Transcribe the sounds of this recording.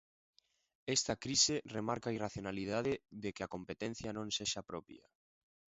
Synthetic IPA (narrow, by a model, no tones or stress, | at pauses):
ɛst̪ɐkɾiseremaɾkairaθjonaliðaðeðekeakompet̪ẽn̟θjanõŋseʃapɾɔpj̰a̰